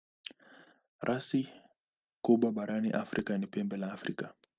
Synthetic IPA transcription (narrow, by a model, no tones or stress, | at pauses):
ɾʔasi | kuɓwaɓaɾʔanḭʔafɾʔikanipɛmbɛlaːfɾḭka